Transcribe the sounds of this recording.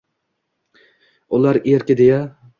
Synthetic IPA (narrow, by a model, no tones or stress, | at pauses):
ʊlˠaɾeɾkʲɪd̪eja